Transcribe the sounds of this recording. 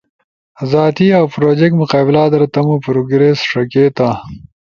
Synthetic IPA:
zaːt̪iawpɾoːd͡ʒek̚ʈmʊqɑːbɪlaːd̪ɐɾt̪ɐmupɾoɡɾesʂɐkeːt̪a

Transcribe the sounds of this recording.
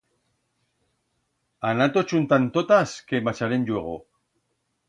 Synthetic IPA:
anat̪ot͡ʃunt̪ant̪ot̪askemat͡ʃaɾend͡ʒueɣ̞o̰

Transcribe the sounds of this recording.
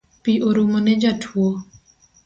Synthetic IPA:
piʔoɾuməned͡ʒatʰuo

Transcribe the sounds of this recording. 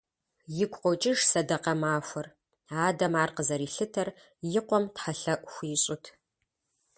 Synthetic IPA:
jɪkʷʼqʷɔt͡ʃʼɪʂsɐdɐqɐmaːxʷɔr | aːdɐmaːrqəzɐɾiːɬɨtʰɐr | jɪqʷɔmtħaɬɐʔʷxʷiːɕʼʊtʰ

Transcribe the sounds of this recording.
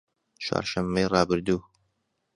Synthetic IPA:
t͡ʃʰwa̰ːɾʃɐmːejrɑːbɨɾd̪uː

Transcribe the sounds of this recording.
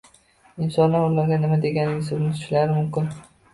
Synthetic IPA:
ɪnsɒnlaɾʊlaɾɡʲanɪmad̪e̞ɡʲanɪŋʲɪsʊɾnɪt̪ʰʊ̥t͡ʃlaɾɪmʊmkʲɪn

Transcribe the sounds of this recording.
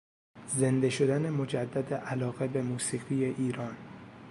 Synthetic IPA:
ze̞nd̪e̞ʃo̞d̪æne̞mo̞d͡ʒæd̪ːæd̪eʔælɒːɣe̞be̞muːsiːɣije̞ʔiːɾɒːn

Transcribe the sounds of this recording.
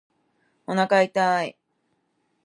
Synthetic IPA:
onakait̪ai

